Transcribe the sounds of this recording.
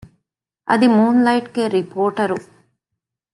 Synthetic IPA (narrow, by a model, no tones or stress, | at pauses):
ɐ̰d̪imuːnlɐjʈkeːɾipoːɾʈɐɾu